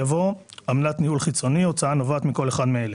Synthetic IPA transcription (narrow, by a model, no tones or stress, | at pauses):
avo̞amlat̪nihulχit͡so̞nio̞t͡saano̞vat̪miko̞leχad̪meele